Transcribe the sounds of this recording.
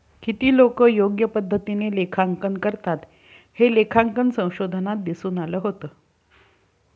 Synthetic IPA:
kit̪iːlokəːjoɡjəpəd̪ʱːət̪inelekʰaŋkənkəɾt̪at̪ | helekʰaŋkənsə̃w̃ɕod̪ʱənat̪̚d̪isuːnaləːɦot̪əː

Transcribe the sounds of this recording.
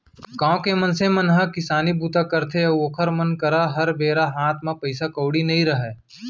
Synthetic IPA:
kãːkemɐnsẽmɐnɦãkɪsaːnibuːt̪akɐɾt̪ʰeɐoːkʰəɾmɐnkɐɾaɦɐɾbeːɾaɦãːt̪ʰmãpɐɪsakoːɽinɐɦĩɾɐɦɛː

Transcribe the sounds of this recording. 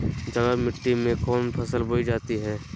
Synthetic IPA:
d͡ʒɐɡamɪʈːimẽkɔːnpʰɐsəlbʱoːid͡ʒaːt̪iɦɛː

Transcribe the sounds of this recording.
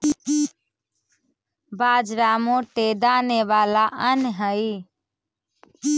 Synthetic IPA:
bad͡ʒɾamõʈed̪aneʋalaʔənɦəi

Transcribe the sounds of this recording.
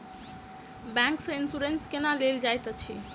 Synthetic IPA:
bãŋksə̃insuɾenskenaleld͡ʒajt̪ət͡ʃʰi

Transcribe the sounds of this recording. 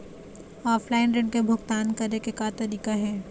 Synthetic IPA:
ɔːfʰlaːɪnɾɪ̃ɳɖkebʱʊɡt̪aːnkɐɾekekat̪ɐɾiːkaɦɛː

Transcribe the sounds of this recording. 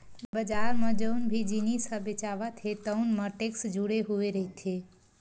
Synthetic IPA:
bəd͡ʒaɾmed͡ʒəʊnbʱid͡ʒinisəbet͡ʃabat̪ʰet̪əʊnməʈeksd͡ʒuɽeɦueɾəit̪ʰe

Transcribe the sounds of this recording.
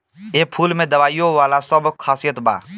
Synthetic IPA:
eːpʰuːlmẽːd̪əʋaːijoʋaːlasəbkʰaːsijət̪ba̰ː

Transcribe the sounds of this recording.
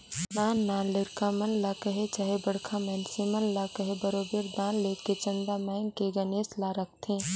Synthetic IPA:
nannːaliɾkamənlakəɦet͡ʃaɦebəɽkʰamɛnsimənlakəɦebəɾobeɾd̪ãnlekːet͡ʃənd̪amaɪnkeɡəneslaɾək̚ʰt̪ʰĩ

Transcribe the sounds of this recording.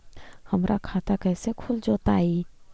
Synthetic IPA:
həmɾʔakʰaːt̪akɛːsekʰʊld͡ʒoːt̪aːi

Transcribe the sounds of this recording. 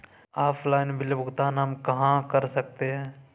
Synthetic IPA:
aːpʰlaːɪnbɪlbʊɡt̪aːnɦɐmkɐɦãkəɾsək̚t̪eɦɛ̃ː

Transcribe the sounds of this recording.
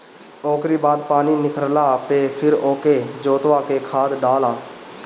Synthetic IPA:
oːkɾiːbaːd̪̚paːniːnɪkəɾlaːpeːpʰɪɾoːkeːd͡ʒoːt̪ʋaːkeːkʰaːd̪ɖaːlaː

